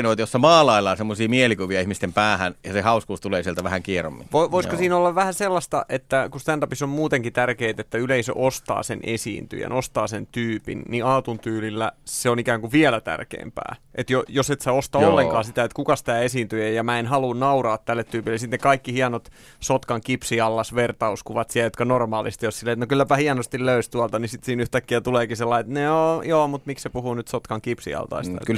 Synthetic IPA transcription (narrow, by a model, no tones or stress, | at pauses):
noˑit̪ɑjosːɑmɑːlɑilːˑɑːsemːosiːmielikuʋiɑihmist̪empæːhænjɑsehɑuskuːst̪uleːsielt̪æʋæhæŋkiero̰mːḭʋoʋoiskosiːnolːɑʋʋæhæselːɑst̪ɑʔet̪ːækust̪ændɑpisommuːt̪eŋkit̪ærkeit̪et̪ːæyleisø̰ʔost̪ɑ̰ːsenʔḛsḭːnt̪y̰jḛnost̪ɑ̰ːsent̪yːpḭnniɑːt̪unt̪yːlilːæseonikæːŋkuʋʋiɛlæt̪æ̰rkḛːmpæ̰ː | ʔet̪jojoset̪seost̪ɑolːeŋkɑːsit̪æet̪kukɑst̪æːesiːnt̪yejjɑmæːenhɑlunnɑurɑːt̪t̪ælːet̪t̪yːpilːesit̪nekɑikːihiɑnot̪ | sot̪kɑŋkipsiɑlːɑsʋert̪ɑuskuʋɑt̪siæjot̪kɑnormɑːlist̪ijossileːet̪nokylːæpæhiɑnost̪illøyst̪uɑlt̪ɑnisit̪siːnyht̪ækːiæt̪uleːkiselːɑiet̪noːjoːmut̪mikssepuhunyt̪sot̪kɑŋkipsḭɑ̰lt̪ɑ̰ist̪ɑ̰ḛk